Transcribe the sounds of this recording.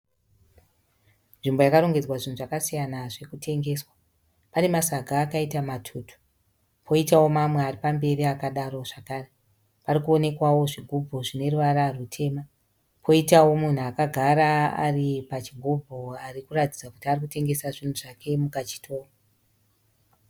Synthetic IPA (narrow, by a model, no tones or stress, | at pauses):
nʐimbojakaɾo̞ŋɡe̞d͡zwaʐin̤uʐakasijanaʐe̞kutʰe̞ŋɡe̞ːswa | pane̞masaɡʱaːkaitamatʰuːtʰu̥ | pʰo̞itawo̞mamwe̞aripambe̞riakaɗaɾo̞ʐakaːre | parikuone̞kwawo̞ʐiɡʱubʱo̞ʐine̞ruʋaɾarutʰe̞ːma | pʰo̞itawo̞mun̤uakaɡʱaɾa̰ːripat͡ʃiɡʱubʱoarikuratid͡zaku̥tiarik̬ute̞ŋɡe̞saʐin̤uʐake̞mukat͡ʃi̥tʰo̞ːa